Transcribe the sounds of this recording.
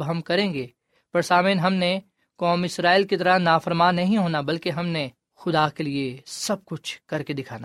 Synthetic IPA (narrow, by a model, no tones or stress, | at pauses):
bɦɐmkɐɾẽːŋɡeː | pɐɾsaːmeːnɦɐmne | kɔːmɪsɾaːɪlkit̪ɐɾənaːfəɾmaːnːɐɦĩɦoːnabɐlkeɦɐmne | xʊd̪akeliesɐb̚kʊt͡ʃʰkɐɾked̪ɪkʰaːna